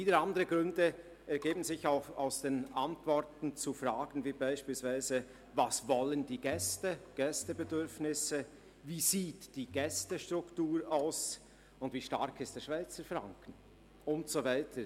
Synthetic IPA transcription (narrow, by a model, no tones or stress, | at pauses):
fiːdəɾandəɾʁəɡʁʏndə | ɛɾɡ̥eːbən̩zɪçaʊxa̰ʊsd̥eːnantv̥ɔɾtn̩t͡sufraːɡən̩viːbaɪʃpiːlsv̥aɪzə | vasvɔləndiːɡɛstəɡ̥ɛstəbədʏɾfnɪsə | viːziːtd̥iːɡ̥ɛstəʃtʁʊktuːɾaʊs | ʊndviːʃta̰ɾkʰɪstd̥eːɐʃv̥aɪt͡səfʁa̰ŋkʰn̩ | ʊntsovaɪtʰə